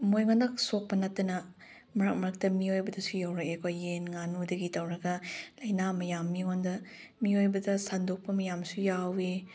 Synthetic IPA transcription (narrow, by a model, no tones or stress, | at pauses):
mojŋondɐk̚sok̚pɐnɐtːɐnɐ | mɐɾɐk̚mɐɾɐk̚tɐmiojbɐdɐsujawɾɐkekojenŋanudɐɡitɐwɾɐɡɐlɐjnamɐjamːiondɐ | miojbɐdɐsandok̚pɐmɐjamsujawi